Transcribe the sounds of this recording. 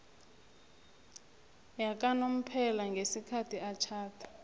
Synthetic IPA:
jak̬ʼanom̩pʰɛlaŋɡʱesikʰatʰiat͡ʃʰaːtʰḁ

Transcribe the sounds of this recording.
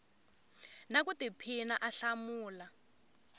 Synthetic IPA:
nak̬utipʰinaʔaɬamuːla

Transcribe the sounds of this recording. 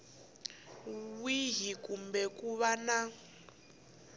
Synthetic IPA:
wiɦikumbɛkuβana

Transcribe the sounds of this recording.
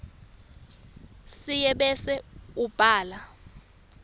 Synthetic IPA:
sijɛɓɛsɛub̥ʱaːla

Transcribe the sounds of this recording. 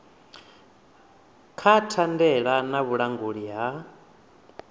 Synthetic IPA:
kʰatʰandɛɺanaβuɺaŋɡuɺiɦa

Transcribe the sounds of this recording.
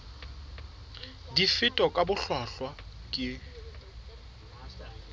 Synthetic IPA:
difɪtʼɔkʼabʊɬwaɬwakʼɪ

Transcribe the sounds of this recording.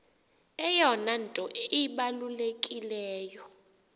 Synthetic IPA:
ɛjɔnantʼɔiɓalulekʼilɛːjɔ

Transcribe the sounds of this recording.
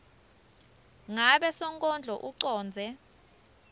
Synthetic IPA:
ŋaɓɛsɔŋkʼɔnd͡ɮʱɔʔuǀɔːnd͡zʱɛ

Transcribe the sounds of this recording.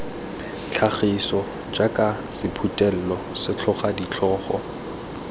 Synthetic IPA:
t͡ɬʰaχisɔ | d͡ʒakʼasɪpʰutʼɛl̩lɔ | sɪt͡ɬʰɔχadit͡ɬʰɔːχɔ̰

